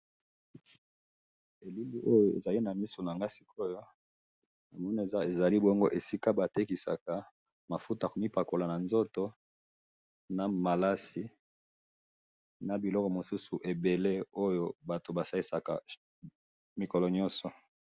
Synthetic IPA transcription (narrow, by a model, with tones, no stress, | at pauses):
e˨li˦li˦ʔo˦jo˦ḛ˨za˨li˦na˨mi˦so˨na˨ŋɡa˦si̥˦ko˦jo˦ | na˨mɔ˦na˨e˨za˦e˨za˨li˦bo˦ŋɡo˦ʔe˨si˦ka˦ba˨te˦ki˨sa̰˨ka˨ | ma˨fu˦tko˨mi˦pa˨ko˨la˨na˨nzo˦to˦ | na˨ma˨la˦si˦ | na˨bi˨lɔ˦kɔ˨mo˨su˦su˨ʔe˨be˨le˦o˦jo˦ba˨to˨ba˨sa˦li˦sa˨ka̰˨ | mi˨ko˨lɔ˨ɲɔ˦nsɔ˨